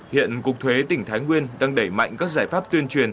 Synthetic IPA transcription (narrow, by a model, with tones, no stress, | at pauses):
hḭ˧˨ənkʊ˨˩k͡p̚t̪ʰwe˨˦t̪ï˧˩ŋ̟t̪ʰaː˨˦jŋwi˧ənɗaː˧ŋɗə˧˩jma̰˧˨jŋkaː˦˥k̚zaː˧˩jfaː˦˥p̚t̪i˧ənt͡ɕwi˨˩ən